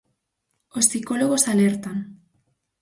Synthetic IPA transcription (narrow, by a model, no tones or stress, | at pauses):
osiko̞loɣosaleɾt̪an